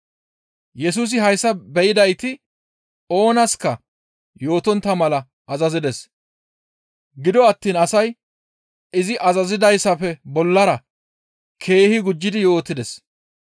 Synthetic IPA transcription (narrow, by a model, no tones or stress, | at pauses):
jɛs̬uːs̬ɪɦɐjsːɐbɛʔɪd̪ɐjt̪ɪ | o̞ːnɐskɐ | jo̞ːt̪ɔnt̪ːɐmɐlɐ | ʔːzɐzɪd̪ɛs | ɡɪd̪ɔɐt̪ːiːnɐsɐj | ɪzɪʔɐzɐzɪd̪ɐjsɐpɛbɔlːɐɾɐ | kʰe̞ːhɪɡʊd͡ʒːɪd̪ɪjo̞ːt̪ːɪd̪ɛs